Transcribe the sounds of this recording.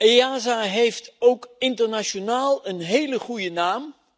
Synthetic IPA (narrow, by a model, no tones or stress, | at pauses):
eaːzaɦejftowkɪntərnaʃonaːlˠənɦeːləχujənaːm